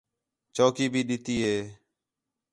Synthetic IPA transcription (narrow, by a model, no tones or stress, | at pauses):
t͡ʃoːkiːbʱiːɗɪt̪iːɦeː